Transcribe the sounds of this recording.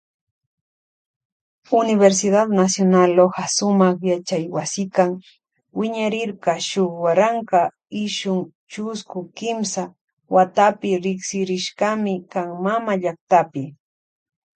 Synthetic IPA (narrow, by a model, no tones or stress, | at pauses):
ʊnɪβeɾs̬ɪd̪ad̪nasjonalohasʊmɑχjat͡ʃajwasɪkaŋ | wɪɲaɾɪɾkɑʃoχwaɾaŋka | ɪʃʊŋ | t͡ʃʊskʊkɪmsa | wat̪apɪɾɪksɪɾɪʃkɑmɪkaŋmamaʎakt̪apɪ